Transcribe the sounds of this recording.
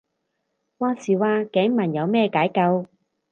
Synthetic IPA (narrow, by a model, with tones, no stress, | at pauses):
waː˧siː˨˩waː˧kɛː˨˥ŋmɐ˨˩njɐ˨˧wmɛː˥˧kaː˨˥jkɐ˧w